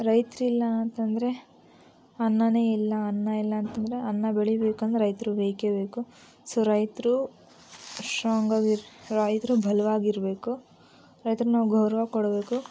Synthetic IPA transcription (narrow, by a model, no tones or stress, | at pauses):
ɾɐjt̪ɾilːɐɐnt̪ɐnd̪ɐɾe̞ | ɐnːɐne̞ːilːɐːnːɐilːɐːnt̪ɐnd̪ɐɾe̞ɐnːɐbeɭibeːkɐnd̪eɾɐjt̪ɾuʋeːkebe̞ːku | soːɾɐjt̪ɾu | ʃaːŋɡɐɡiɾɾɐjt̪ɾubʱɐlɐʋaːɡiɾbe̞ːku | ɾɐjt̪ɾunaːʋuɡʱɐwɾɐʋaːkɔɽɐbe̞ːku